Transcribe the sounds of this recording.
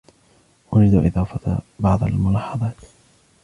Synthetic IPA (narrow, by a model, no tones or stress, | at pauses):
ʔʊɾɪd̪aʔɪðɑːfat̪bɑʕd̪ˤa̰lmʊlɑːħɑðˤɑːt̪